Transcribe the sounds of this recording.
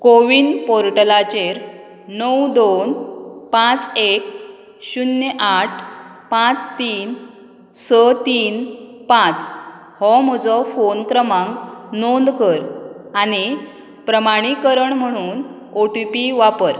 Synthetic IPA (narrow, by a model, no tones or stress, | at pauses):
koʋinpɔɾʈəlat͡ɕeɾ | nəwd̪onpãt͡sek̚ | ɕunjəʔaʈʰ | pãt͡st̪iːn | sət̪iːnpãt͡s | hɔm̤ɔd͡zɔfonkɾəmãŋknond̪kəɾaɽ̃i | pɾəmaɽ̃ikəɾəɳm̤əɽ̃uːn | oʈupiʋapəɾ